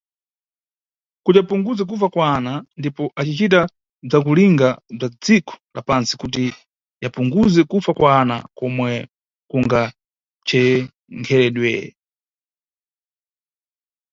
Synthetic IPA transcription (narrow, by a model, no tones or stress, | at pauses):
kutiapuŋɡuzɛk̬ufakwanandipɔʔat͡ʃit͡ʃita | b͡ʐak̬uliŋɡab͡ʐad͡zikʰɔ̥la̰pansi̥kut̬i | japuŋɡuzɛkufakwana̰kɔmwɛ | kuŋɡa | t͡ʃɛ | ŋkʰɛɾɛɗwɛ̰ɛ